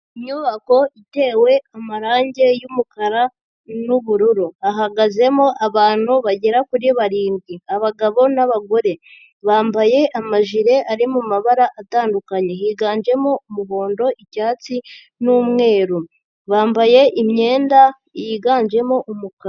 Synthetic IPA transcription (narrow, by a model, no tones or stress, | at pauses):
iɲɲuːβako̞ite̞ːwe̞amaɾaːɲɟe̞jumukaɾa | nuβuɾuɾuaɦaɡaze̞moʔaβaːn̥huβaɟeɾakuɾiβaɾiːmbɡiaβaɡaβo̞naβaɡo̞ɾe̞ | βaːmbaje̞ʔamaʒiɾe̞ʔaɾimumaβaɾaʔataːndukaɲe̞jiːɡaːɲd͡ʒe̞moumuβoːndo̞ʔicaːt͡si | nuːmŋe̞ːɾu | βaːmbaje̞ʔimɲe̞ːnda | jiːɡaːɲd͡ʒe̞moʔumuka